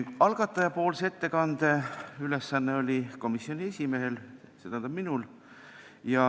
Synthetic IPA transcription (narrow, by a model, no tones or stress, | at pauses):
ɑlɡ̥ɑt̪ːˑɑjɑpo̞ːlsee̞t̪ːe̞kɑnd̪̥e̞yle̞sːɑnːeo̞lʲiko̞misːio̞nʲie̞sʲime̞ɦe̞lset̪ænd̪ɑb̥minul | jɑ